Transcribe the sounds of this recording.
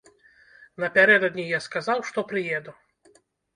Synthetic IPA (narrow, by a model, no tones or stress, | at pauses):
nɐpʲaɾɛd̪ɔd̪ʲnʲijaskazawʂt̪ɔpɾɨjɛd̪u